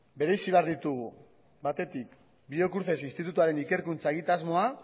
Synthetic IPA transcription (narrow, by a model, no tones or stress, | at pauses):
be̞ɾe̞siβe̞aɾðit̪uɣ̞u | bat̪e̞t̪ik | bio̞kuɾθe̞sinst̪it̪ut̪uaɾe̞nike̞ɾkunt͡saeɣit̪azmo̞a